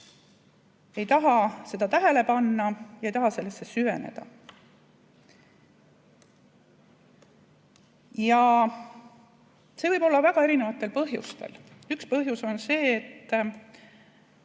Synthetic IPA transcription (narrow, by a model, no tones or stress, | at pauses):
e̞jt̪ɑɦɑse̞d̪̥ɑt̪æɦele̞pɑnːɑjɑejt̪ɑɦɑse̞lːe̞sːe̞syve̞ne̞̰d̪̥ɑ̰ | jɑ | se̞vɤjbo̞lːɑvæɡ̥ɑe̞ɾinevɑt̪ːˑe̞lpɤɦjṵst̪e̞̰l | ykspɤɦjuso̞nse̞ːt̪ː